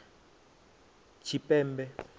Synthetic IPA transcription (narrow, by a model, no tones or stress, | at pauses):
t͡ʃʰipʼɛːmbɛ